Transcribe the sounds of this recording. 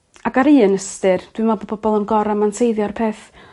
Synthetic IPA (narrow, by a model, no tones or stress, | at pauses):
aɡaɾiːənəstɨrd̥wɨmɔbɔbɔbɔlˠənɡɔɾamansʰejðjɔrpʰeːθ